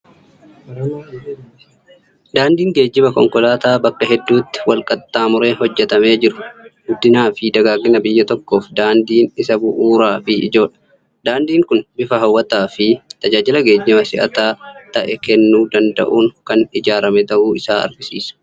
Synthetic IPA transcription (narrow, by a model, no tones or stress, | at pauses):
d̪aːnd̪iːŋɡe̞ːd͡ʒːɪbɐkɔŋkʼɔlaːt̪aːbɐkːɐɦɛd̪ːuːt̪ːɪ̥wɐlkʼɐt̪ːaːmʊɾe̞ːhɔd͡ʒːɛt̪ɐme̞ːd͡ʒɪɾʊɡʊd̪ːɪnaːfɪd̪ɐɡaːɡːɪnɐbɪjːɐt̪ɔkːo̞ːfd̪aːnd̪iːnɪsɐbʊʔuːɾaːfɪɪd͡ʒo̞ːᶑɐ̥ | d̪aːnd̪iːŋkʊnbɪfɐɦɐwːɐt̪aːfɪt̪ɐd͡ʒaːd͡ʒɪlɐɡe̞ːd͡ʒːɪmɐsɪʔɐ̰t̪aːt̪ɐʔɛkɛnːuːd̪ɐnd̪ɐ̰ʔuːnkɐnɪd͡ʒaːɾɐmɛt̪ɐʔuːɪsaːɐ̰ɾɡɪsḭːsɐ̥